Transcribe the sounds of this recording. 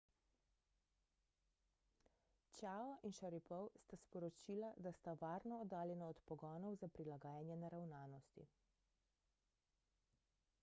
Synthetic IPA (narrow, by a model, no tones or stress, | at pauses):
t͡ʃaːɔʔinʃaɾipɔwst̪aspɔɾɔt͡ʃiːlad̪ast̪aʋaːɾnɔɔd̪aːljɛnaɔt̪pɔɡɔːnɔwzapɾilaɡaːjanjɛnɛɾawnaːnɔst̪ḭ